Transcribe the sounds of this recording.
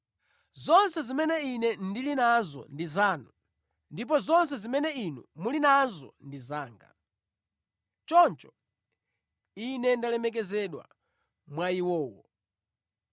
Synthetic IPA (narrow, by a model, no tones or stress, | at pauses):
zɔnsɛzimɛnɛinɛndilinazɔ̰ndizaːnu | ndip̬ɔzɔns̬ɛzimɛnɛinumulinanzɔ̰ndizaːŋɡa̰ | t͡ʃɔnt͡ʃɔ | inɛndalɛmɛk̬ɛzɛɗwa̰ | mwaiwɔːwɔ̰